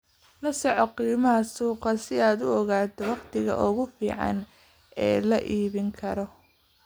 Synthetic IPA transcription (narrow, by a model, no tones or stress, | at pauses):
lɐsɔʕɔqiːmɐɦɐsuːqɑsɪaːd̪ʊɔɣaːt̪ʰɔwɑqt̪ʰɪɣɐ̰ʔʊɣʊfḭːʕɑ̰n | ʔɛːlɐʔiːβɪŋkʰɐɾɔ